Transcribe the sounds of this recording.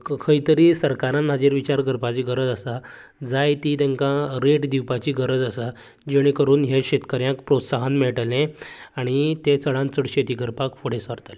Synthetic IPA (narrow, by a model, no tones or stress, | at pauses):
kʰəiːt̪əɾiːsəɾkaɾãnːad͡ʑeɾʋit͡ɕaɾɡəɾpat͡ɕiːɡəɾəd͡zəsa | d͡zajt̪iːt̪ẽŋkãɾeʈd̪iwpat͡ɕiːɡəɾəd͡zəsa | d͡ʑeɽ̃ĩkəɾuːnɦjeɕet̪kəɾjãkpɾot̪saɦanmɛɭʈlẽaɽ̃it̪ẽt͡səɭãnt͡səɽɕet̪iːɡʱəɾpakfoɽ̤esəɾt̪lẽ